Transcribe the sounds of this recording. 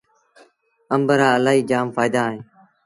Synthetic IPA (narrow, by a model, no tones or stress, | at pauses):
əmbəɾaːəlaːɦiːd͡ʒaːmfaːjɪd̪aːɦẽː